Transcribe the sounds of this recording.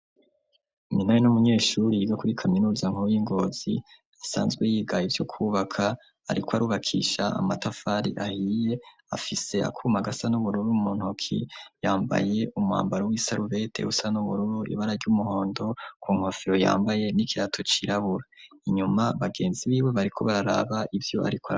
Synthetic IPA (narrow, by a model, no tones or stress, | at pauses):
iminajinumuɲe̞ːʃuɾiɡakuɾikʰaminuːzaŋ̥uujiŋɡo̞ːz̥ḭ | asa̰ːnzɡwejiːɡajivjo̞kʰuβakʰa | a̰ɾikoaɾuβakʰḭʃaa̰matafaːɾiʔahije̞ | a̰fise̞a̰kʰumaɡasanuβuɾuɾumuːn̥hokʰḭjaːmba̰je̞ʔuma̰ːmbaɾowisaɾuβe̞tʰe̞̰usanuβuɾuɾuḭβaɾaɾɟumuho̞ːndo̞kʰuŋ̥hofiɾo̞ja̰ːmbaje̞nikiɾatʰo̞t͡ʃiɾaβuɾa | iɲumaβaɡe̞ːnziβiːβwe̞βaɾikʰo̞βaɾaɾa̰βaʔivjo̞ʔa̰ɾikoa